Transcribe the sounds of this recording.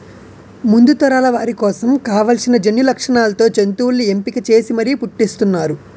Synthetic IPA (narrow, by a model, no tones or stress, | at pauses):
mund̪ut̪ɐɾaːlɐʋaːɾikɔːsɐmkaːʋɐlsinɐd͡ʒɐnːulɐkʂɐɳaːlɐt̪o̞ːt͡ʃent̪uːlːiempikɐt͡ʃe̞ːsimɐɾipuʈːist̪unːaːɾu